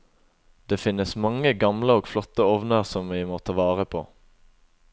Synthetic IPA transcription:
d̪̥eːfɪnəsmɑŋəɡɑmləoːɡflɔt̪əɔʋnəʁsɔmʋiːmoːt̪ʰɑʋɑːʁəpʰo̰ː

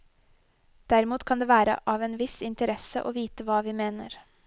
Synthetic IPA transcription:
d̪̥æɾɪmuːt̪kʰɑnd̪eːʋæːɾə̰ʔɑːʋeːnʋɪsɪnt̪əɾɛsəʔoːʋiːt̪əʋɑːʋiːmeːnəɾ

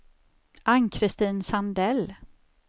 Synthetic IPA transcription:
ʔaŋkʰɾɪst̪iːnsand̪ɛl

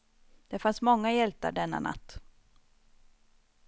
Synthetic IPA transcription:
d̪̥ɛfansmɔŋːajɛlt̪a̰ɖɛnːa̰nʔa̰t̪ː

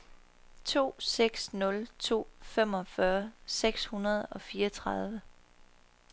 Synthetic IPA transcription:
t͡sʰo̝̰ːseɡ̥snɔ̽lt͡sʰo̝̰ːfem̰ɒ̽fɶɐseɡ̥shunɐð̞ˠɒ̽fiːɐt͡sʰʁɑð̞ˠʋə

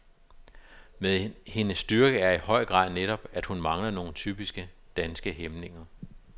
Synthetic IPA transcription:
meðˠhe̝nəsːd̥yɐɡ̥əæɐihɒ̽ɪ̰ɡ̥ʁɑ̰̈ːð̰ˠneɾ̥ɒ̽b̥æd̥hunmɑ̈ŋlɐno̝ːn̩t͡sʰy̰ːb̥isɡ̥ə | d̥ænsɡ̥əɦemne̝ŋɐ

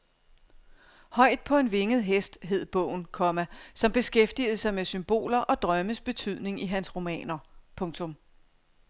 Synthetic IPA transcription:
hɒ̽ɪ̰d̥̚pʰɒ̽e̝nʋe̝ŋð̞̩ˠɦesd̥ɦe̝ð̞̰ˠb̥ɔ̰̽ʊ̰n̩kʰɒ̽mæsɒ̽mb̥e̝sɡ̥efd̥ið̞̩ˠsɑ̈ɪmesymb̥o̝̰ːlɐʔɒ̽d̥ʁɶməsb̥e̝t͡sʰyð̰ˠne̝ŋiɦænsʁo̝mɛ̰ːnɐpʰɔ̽ŋt͡sʰɔ̽m

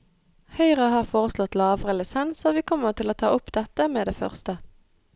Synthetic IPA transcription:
hœʏʁəhɑːʁfoːʁəslɔt̪lɑːʋʁɛləsɛnsoːʋiːkʰɔməʁt̪ʰɪloːt̪ʰɑ̰ːʊpd̪ɛt̪əmeːd̪eːfœ̰ʁst̪ə

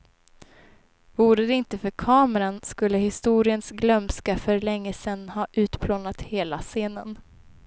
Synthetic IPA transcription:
vuːɾəd̪ɛɪnt̪əfœɾkʰɑːməɾanskɵlːəhɪst̪uːɾɪənsɡlœmskafœɾlɛŋːəsɛnːhɑːʔʉ̟ːt̪pʰloːnat̪heːlaseːnən

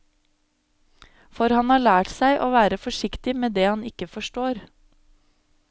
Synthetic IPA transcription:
fɔɾhɑnhɑːɭæːʈsæɪʔoːʋæːɾəfɔʃɪkt̪ɪmeːd̪eːhɑnɪkəfɔʃʈoːɾ

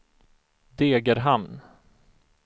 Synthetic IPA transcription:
d̪eːɡəɾɦamn

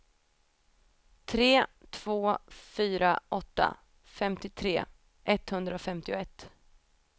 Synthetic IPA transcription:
t̪ʰɾeːt̪ʰv̥oːfyːɾa̰ʔɔt̪ːa̰ | fɛmt̪ɪt̪ʰɾḛː | ʔɛt̪hɵnd̪ɾaɔfɛmt̪ɪʊɛt̪ː

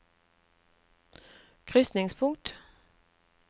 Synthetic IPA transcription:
kʰʁʏsnɪŋspʰʊŋt̪

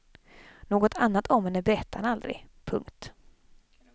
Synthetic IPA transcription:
noːɡɔt̪ʰanːat̪ʰɔmɛnæbɛɾɛt̪ʰːanald̪ɾɪ̰ɡpʰɵŋkt̪

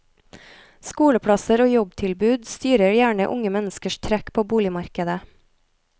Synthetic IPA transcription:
skuːɽəpʰɽɑsəɾoːjɔbt̪ʰɪlbʉːd̪st̪yːɾəɾjæːɳə̰ʔʊŋəmɛnəskəʃt̪ʰɾækpʰoːbuːlɪmɑɾkəd̪ə

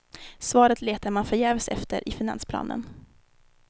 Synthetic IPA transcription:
svɑːɾət̪leːt̪aɾmanfœɾjɛːvsɛ̰ft̪ʰə̰ɾʔɪfɪna̰nspʰlɑ̰ːnə̰n

